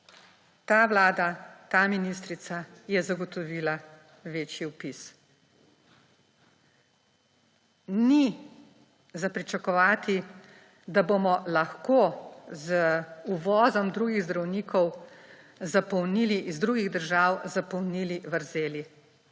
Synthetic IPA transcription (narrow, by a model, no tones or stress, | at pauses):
t̪aːʋlaːd̪at̪aːminist̪ɾit̪sajɛzaɡɔt̪ɔʋiːla | ʋeːt͡ʃjiupis | ni | zapɾit͡ʃakɔʋaːt̪i | d̪abomɔlaxkoːzuʋɔːzɔmd̪ɾuːɡiɣzd̪ɾawniːkʰɔw | zapɔwniliʔizd̪ɾuɡiɣd̪əɾʒaːwzapɔwniːliʋəɾzeːlji